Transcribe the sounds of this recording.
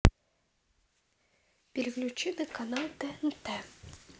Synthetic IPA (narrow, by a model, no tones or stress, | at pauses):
pʲelʲɣlʲut͡ɕinɨkanalˠd̪ɛɛnt̪ɛ